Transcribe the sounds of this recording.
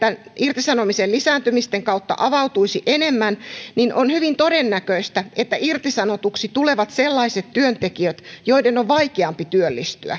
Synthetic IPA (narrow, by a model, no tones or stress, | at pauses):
t̪ænirt̪isɑnomiselisæːnt̪ymist̪eŋkɑut̪ːɑ̰ʔɑʋɑut̪uisiʔenemːænninʔonhyʋint̪odenːækøist̪æʔet̪ːæʔirt̪isɑnot̪uksit̪uleʋɑt̪selːɑiset̪t̪yønt̪ekiøt̪joidenoʋʋɑikeɑmpit̪yølːist̪y̰æ̰